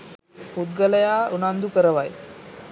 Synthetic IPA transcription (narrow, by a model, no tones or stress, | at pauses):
hud̪̚ɡələjaunand̪ʱukəɾəʋaj